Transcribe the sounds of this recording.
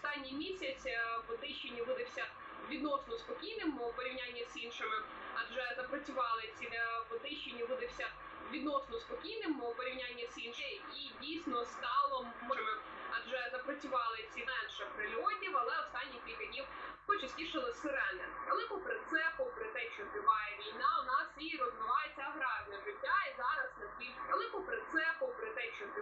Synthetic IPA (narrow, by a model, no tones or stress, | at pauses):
ɔst̪ɑnʲːijmʲisʲɐt͡sʲipɔt̪ɪʃenʲːiʋɪd̪ɪwsʲɐ | ʋʲid̪nɔsnɔspɔkʲijnɪmɔpɔɾʲiwnʲanʲːɐzinʃɪmɪ | ɐʒɛzɐpɾɐt͡sʲʊʋɑlˠɪt͡sʲiɛpɔt̪ɪʃt͡ʃenʲːiʋɪd̪ɪwsʲɐ | ʋʲid̪nɔsnɔspɔkʲijnɪmpɔɾʲiwnʲanʲːɐsinʃɪjidʲijsʲnɔst̪ɑlˠɔmɪmɪ | ɐʒɛzɐpɾɔt͡sʲʊʋɑlˠɪt͡sʲimɛnʃɐpɾɪlʲɔtʲiwɐlˠɛɔst̪ɑnʲːikʲilʲkɐdʲnʲiw | pɔt͡ʃɐsʲtʲiʃɪlˠɪsʋɪɾɛnːɛʋelˠɪkʊpɾɪt̪sɛpɔpɾɪt̪ɛʃt͡ʃɔd̪ɾɪʋɑjɛʋʲijnɑwnɑsiɾɔzʋɪʋɑjɛt͡sʲɐɐɦɾɑʒnʲɐɦɾʲʊajɛzɑɾɐsnɐiʋelˠɪkʊpɾɪt̪sɛpɔpɾɪt̪ɛt͡ʃɔɪ